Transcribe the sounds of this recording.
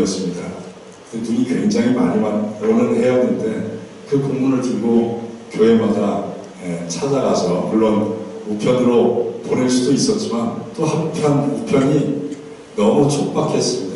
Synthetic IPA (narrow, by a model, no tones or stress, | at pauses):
ʌs͈ɯmɲida | kɯenuɲikwe̞ŋd͡ʑaŋɦimaɲimanʌnɯnhe̞jʌnɯnde̞ | kɯkoŋmunɯɭtɯɭɡokjoɦe̞mada | et͡ɕʰad͡ʑaɡasʰʌ̰muɭːʌnmupʰjʌnɯɾopoɾiɭs͈udois͈ʌt̚t͡ɕ͈imant͈ohampʰjʌnupʰjʌɲi | nʌmut͡ɕʰok̚p͈akʰe̞s͈ɯmɲida